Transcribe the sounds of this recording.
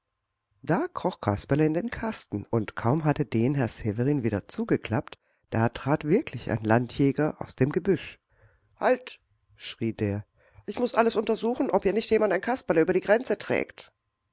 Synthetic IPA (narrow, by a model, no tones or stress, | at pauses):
d̥aːkʁ̥ɔχkʰaspaləɪndeːnkʰastn̩ʊntkʰaʊmɦatədeːnɦɛɐsevəʁiːnviːdɐt͡suːɡəkl̥apt | d̥aːtʁ̥aːtv̥ɪɐklɪça̰ɪnlantʰjɛːɡɐʔa̰ʊsd̥eːmɡəbʏʃ | halt | ʃʁ̥iːdeːɐ | ʔɪçmʊsʔaləsʊntɐzuːxn̩ʔɔpiːɐnɪçtjeːmantaɪnkʰaspaləʔyːbɐɾiːɡʁɛnt͡sətʁ̥ɛ̰ːkt